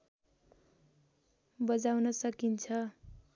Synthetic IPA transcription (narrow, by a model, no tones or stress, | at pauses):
bʌd͡zawnʌsʌkint͡sʰʌ